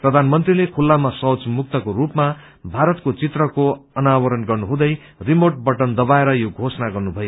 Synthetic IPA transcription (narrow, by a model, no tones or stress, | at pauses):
prʌd̪ʱanmʌnt̪rilekʰulːamasʌwt͡smuk̚t̪ʌkoɾupma | bʱaɾʌt̪kot͡sit̪rʌkoʌnawʌɾʌnɡʌrnuɦũd̪ʌj | rimoʈ̚bʌʈʌnd̪ʌbaeɾʌjoɡʱosʌnaɡʌrnubʱʌjo